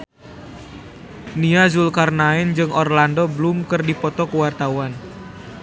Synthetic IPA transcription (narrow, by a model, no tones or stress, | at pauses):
niazulkarnaɛnd͡ʒɨŋɔrlandɔblumkɨrdipɔt̪ɔkuwart̪auwan